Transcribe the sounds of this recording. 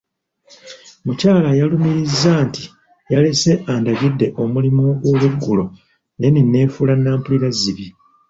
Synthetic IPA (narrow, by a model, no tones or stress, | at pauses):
mucaːlajalumiɾizːaːnti | jalese̞ʔaːndaɡidːe̞ʔo̞mulimoɡwo̞ːβuɡːulo̞ | neninːe̞ːfulanːaːmpuliɾaziβi